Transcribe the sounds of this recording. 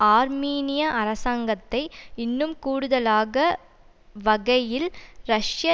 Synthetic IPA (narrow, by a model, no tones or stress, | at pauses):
aːɾmiːnɪjɐʔɐɾɐsaːŋɡɐt̪ːɐɪɪnːɯmkuːɽɯðɐlaːɣɐ | ʋɐɣɐjɪlɾɐʂjɐ